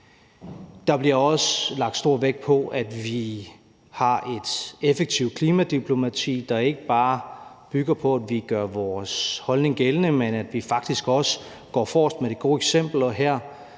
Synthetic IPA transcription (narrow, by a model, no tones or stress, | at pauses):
d̥ɑ̈b̥liɐɒ̽slɑ̈ɡ̥d̥sd̥o̝ɐ̰ʋeɡ̥̚pʰɒ̽ʔæd̥ʋi | hɑ̈ʔe̝d̥efeɡ̥̚t͡sʰiʊ̰̥kʰliːmæd̥ipʰlo̝mæt͡sʰḭːd̥ɑ̈e̝ɡ̥əb̥ɑ̈ː | b̥yɡ̥ɐpʰɒ̽æd̥ʋiɡ̥ɶɐʋɒːshɒ̽lne̝ŋɡ̥elənəmenæd̥ʋifɑ̈ɡ̥d̥isɡ̥ɒ̽sə | ɡ̥ɒ̰ːfɒ̰ːsd̥med̥e̝ɡ̥o̝̰ːeɡ̥sem̰b̥l̩ɒɦæɐ̰